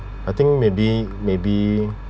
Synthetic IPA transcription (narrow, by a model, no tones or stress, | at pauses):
at̪ɪ̃ŋkmebi | mebi